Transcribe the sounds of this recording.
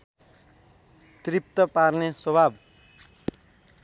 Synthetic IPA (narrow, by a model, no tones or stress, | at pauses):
t̪rip̚t̪ʌparneswʌbʱab